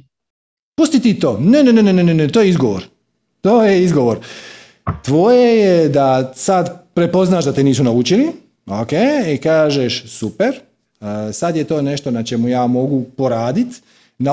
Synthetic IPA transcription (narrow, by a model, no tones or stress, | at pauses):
pust̪it̪it̪o̞ːnenenenenenenet̪oːjeizɡo̞ʋoɾ | t̪oːjeizɡoʋo̞ːɾ | t̪ʋojejed̪asad̪pɾe̞po̞znaːʃd̪at̪eniːsunaut͡ʃili | okeːikaːʒeʃsupe̞ɾ | sad̪jet̪o̞ːne̞ʃt̪o̞nat͡ʃe̞mujaːmo̞ɡupo̞ɾaːd̪it̪ | na